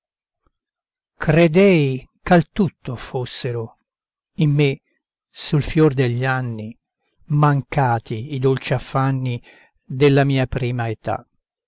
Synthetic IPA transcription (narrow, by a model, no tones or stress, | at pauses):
kɾed̪ɛjkalt̪ut̪ːofosːeɾʊ | imːe | sulfjord̪eʎːanːi | maŋkaːt̪iːd̪olt͡ʃiafːanːi | d̪elːamiːapɾiːmaet̪a̰